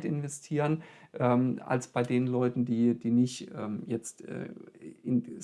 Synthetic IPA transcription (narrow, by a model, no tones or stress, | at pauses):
tɪnvɛstʰiːʁənʔɛːma̰lsb̥aɪdeːnən̩lɔʏtn̩d̥iːd̥iːnɪçtʔɛːmjɛt͡stʔɛ̰ːɪn